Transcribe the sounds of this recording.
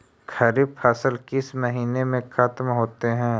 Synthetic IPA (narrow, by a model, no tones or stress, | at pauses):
kʰɐɾiːbfʰaːsəlkɪsməɦiːnemẽkʰat̪mɦoːt̪eɦɛ̃ː